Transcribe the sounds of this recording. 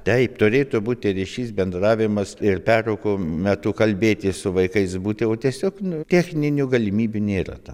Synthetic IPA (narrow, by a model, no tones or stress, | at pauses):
t̪ʲɛɪpt̪ʊɾʲeːt̪ʊbuːt̪ʲɪɾɪʃʲiːsbʲɛnd̪rɑːʋʲɪmɐsɪrpʲæːrokomʲɛt̪ʊkɐlʲbʲeːt̪ʲɪsʊʋɐɪkɐɪsbuːt̪ʲɪoːt̪ʲiɛsʲoːknʊt̪ʲæxʲnʲɪnʲʊɡɐlʲɪmʲiːbʲʊnʲeːrɐ̰t̪ɐː